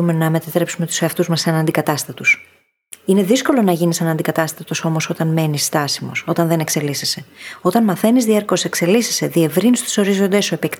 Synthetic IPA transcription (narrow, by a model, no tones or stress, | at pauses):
umenɐme̞t̪ɐt̪ɾe̞psume̞t̪u̥seɐft̪uzmɐsːɐnɐnd̪ikɐt̪ɐst̪ɐt̪us | ine̞ðisko̞lo̞nɐʝinisɐnɐnd̪ikɐt̪ɐst̪ɐt̪o̞so̞mo̞so̞t̪ɐnme̞nist̪ɐsimo̞̰so̞t̪ɐnðe̞ne̞kse̞lisese̞o̞t̪ɐnmɐθe̞nizðieɾko̞se̞kse̞lisese̞ðie̞vɾinust̪i̥so̞ɾizo̞nd̪esoepekt̪